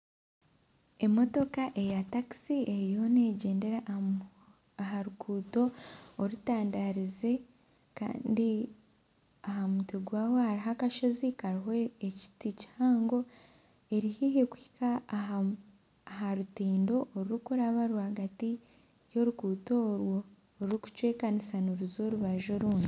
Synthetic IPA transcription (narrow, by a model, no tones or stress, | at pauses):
e̞mo̞to̞kaʔe̞jataki̥sie̞ɾijo̞ne̞ːɟe̞ːnde̞ɾa | aɦaɾukʰuːto̞ːɾutaːndaɾize̞ | ka̰ːndi | aɦamutiɡwaːwohaɾiɦakaʃo̞zikaɾiɦo̞eci̥tici̥haːŋɡo̞ | e̞ɾihiɦekwi̥ka | ɦaɾutiːndo̞ʔːɾuɾukuɾaβaɾwaɡati | jo̞ɾukuːto̞ɾwoː | ɾuɾuku̥cwe̞ːkanisanoɾuzo̞ɾuβaʒo̞ɾuːndi